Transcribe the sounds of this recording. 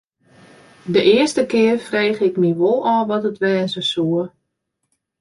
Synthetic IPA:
dəʔɪərstəkɪːrfreːxɪkmiʋolˠɔːʋɔtətʋɛːzəsuər

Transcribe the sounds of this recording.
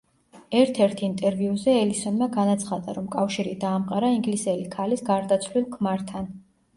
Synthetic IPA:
ɛɾt̪ʰɛɾt̪ʰint̪ʼɛɾviuzɛɛlisɔnmaɡanat̪sʰχad̪aɾɔmkʼafʃiɾid̪aːmqʼaɾaiŋɡlisɛlikʰalisɡaɾd̪at̪sʰlilˠkʰmaɾt̪ʰan

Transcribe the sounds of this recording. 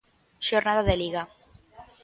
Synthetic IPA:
ʃoɾnaðaðeliɣa

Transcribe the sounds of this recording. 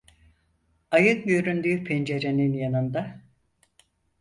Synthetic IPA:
ajɯkjøɾynd̪yːpʰend͡ʒe̞ɾe̞ninjanɯnd̪a

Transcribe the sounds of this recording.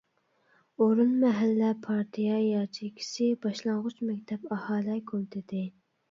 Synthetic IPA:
oɾunmɛɦælːɛpʰɑɾt̪ʰijɑjɑɾt͡ʃʰikʲʰi̥sɪbɑʃlˠɑɴʁʊt͡ʃmɛkʲt̪ʰɛpɑhɑːlɛkʰʲolt̪ʰɪd̪ɪ

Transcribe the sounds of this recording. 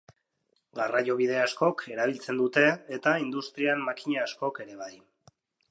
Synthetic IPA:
ɡarajo̞β̞ið̞e̞asko̞kʰe̞ɾaβ̞ilt͡se̞nd̪ut̪e̞ːt̪aind̪ust̪ɾiamːakiɲaːsko̞ke̞ɾe̞β̞aj

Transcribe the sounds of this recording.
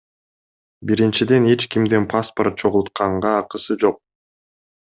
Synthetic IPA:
biɾint͡ʃid̪e̞ne̞t͡ʃkimd̪enpʰasport̪̚t͡ʃʰo̞ʁulˠt̪̚qɑɴʁɑːqɯsɯd͡ʒo̞q̚

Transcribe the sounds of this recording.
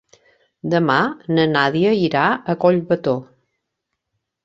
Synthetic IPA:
d̪əmanənaðiəiɾaəkoʎβət̪o

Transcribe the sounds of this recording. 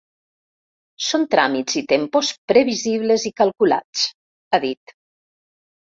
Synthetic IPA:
sont̪ɾamid͡zit̪empospɾeβiziβ̞lezikalˠkula̰t͡s | aðit̪

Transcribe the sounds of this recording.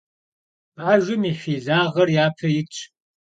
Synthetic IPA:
baːʒʷʊmiːfiːzaːʁɐrjaːpʰɐjɪt͡ʃʼʰ

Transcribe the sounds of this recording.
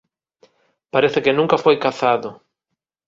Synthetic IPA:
paɾeθɪkɪnũŋkafojkaθaðʊ

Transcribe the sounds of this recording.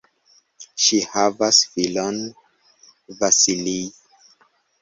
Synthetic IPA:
ʃihavasfilon | vasili

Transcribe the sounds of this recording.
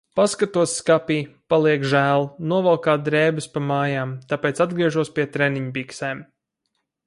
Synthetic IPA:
paskat̪uɔsskapiːpalˠiɛkʒæːlˠnuɔvalkaːd̪ɾɛːbɨspamaːjaːmt̪apeːt̪sad̪̚ɡɾiɛʒuɔspʲiɛt̪ɾɛniɲpiksɛːm

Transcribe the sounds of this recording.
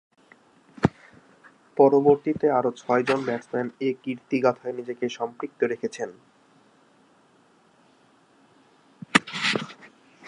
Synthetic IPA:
pɔɾoboɾt̪it̪eaɾot͡ɕʰɔed͡ʑonbɛʈsmɛnekiɾt̪iɡat̪ʰaenid͡ʑekeʃɔmpɾik̚t̪oɾekʰet͡ɕʰen

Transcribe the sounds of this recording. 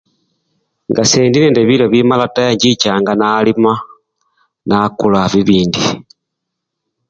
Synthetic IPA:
ŋɡaseːndineːndeβiloβimalatajaɲɟit͡ʃaːŋɡanalima | nakulaβiβiːndi

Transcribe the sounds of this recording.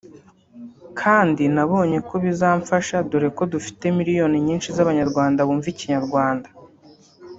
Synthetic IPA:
kʰaːndinaβo̞ːɲe̞ko̞βizaːɱfaʃaduɾe̞ko̞dufi̥te̞miɾijo̞niɲiːnʃizaβaɲaɾɡwaːndaβuːɱviciɲaɾɡwaːndḁ

